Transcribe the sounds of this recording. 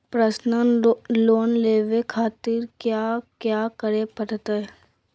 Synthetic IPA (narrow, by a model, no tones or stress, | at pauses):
pɾəsnənloːnleːʋekʰaːt̪iɾkjaːkjaːkəɾepəʈʰt̪ə